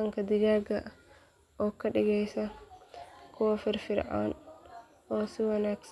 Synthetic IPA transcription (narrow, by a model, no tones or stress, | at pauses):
ɐŋkɐd̪ɪd͡ʒaːɡɐ | ʔɔkɐɗɪɡɛjsɐ | kʰɔwɐfɪɾfɪɾʕa̰ːn | ɔːsiwɐnaːɡs